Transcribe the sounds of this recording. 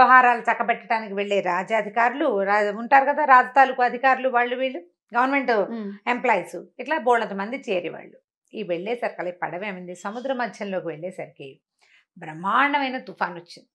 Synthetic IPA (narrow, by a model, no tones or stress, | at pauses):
ɐɦaːɾaːlut̪ɐkːɐpɛʈːɐʈaːnikiʋeɭːeːɾaːd͡ʒaːd̪ʱikaːɾuluauɳʈaːɾukɐd̪aːɾaːd͡ʒ̪ɐt̪aːlukuɐd̪ʱikaːɾuluʋaːɭːuʋiːɭːu | ɡɐʋɐɾnme̞ɳʈemplaːjsuiʈlaːboːɭɐnt̪̬ɐmɐnd̪it͡ʃeːɾiʋa̰ːɭːu | iːʋeɭːeːsɐɾikɐlɐpɐ̰ɽɐʋeːmɐnd̪isɐmud̪ɾɐmɐd̪ʱjɐnlo̞ːkiʋeɭːɛːsɐɾiki | bɾɐmaːɳɐʋɐjnɐt̪upʰaːnot͡ʃːind̪i